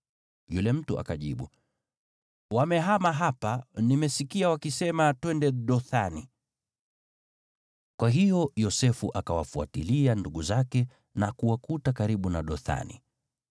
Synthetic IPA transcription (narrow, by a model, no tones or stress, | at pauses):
julɛm̩tuʔa̰kaʄiɓṵ | wamɛɦamaɦapanimɛsikiawakisɛmatwɛndɛɗɔθani | kwaɦijɔjɔsɛfuʔakawafua̰tilianduɠuzakɛ | nakuwakutakaɾiɓunaɗɔθa̰nḭ